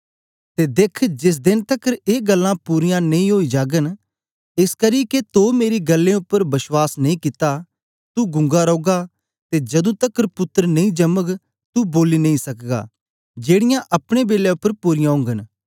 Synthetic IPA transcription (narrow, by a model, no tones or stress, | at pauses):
t̪eːd̪eːkʰd͡ʒɪs̬d̪ɪnt̪ɐkːəɾeːɡɐlːãpuːɾɪjãnɐ̃ĩɦoːid͡ʒaːɡən | ɪskɐɾiket̪oːmeːɾiɡɐlːẽʊpːəɾbɐswaːsnɐĩkɪt̪a | t̪uɡʊ̃ŋɡaɾoːɡa | t̪ed͡ʒɐd̪ũt̪ɐkːəɾpʊt̪ːəɾnɐ̃ĩd͡ʒɐmək | t̪uboːlinɐ̃ĩsɐkɡa̰ː | d͡ʒeːɽɪjãʔɐpɽ̃ebeːleʊpːəɾpuːɾɪjãɦʊ̃ːŋɡən